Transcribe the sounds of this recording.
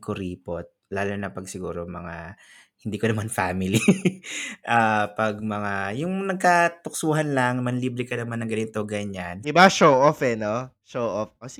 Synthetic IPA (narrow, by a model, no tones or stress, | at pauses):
kʊɾiːpot̪̚laːlonɐpɐɡsɪɡuːɾo̞mɐ̰ŋa | hɪnd̪iːkonɐmanfaːmɪli | ʔapɐɡ̚mɐŋajʊŋnɐɡ̚kat̪ʊk̚suːɦɐnlɐŋnɐmɐnliːbɾɪkɐnɐmanːɐŋɡɐnɪt̪oɡɐɲand̪ɪbaʃowʔofɛno | ʃowʔofʔos